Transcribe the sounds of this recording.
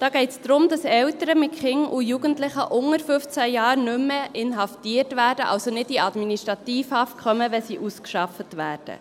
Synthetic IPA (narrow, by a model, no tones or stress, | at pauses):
d̥ɑːɡ̥ɛɪtsd̥̪ɾʊmd̥ɑsɛltəɾəmɪtkχɪŋujuɡ̥əntlɪχəʔʊŋəɾfʏft͡sæjɑːɾnʏmːəʔɪnɦɑftiːətvæːɾdəʔɑwsonɪdiɑdminiʃtɾɑtiːfɑːfkʰœməʋɛsiːʔuskʃɑfətʋæːrd̥ə̰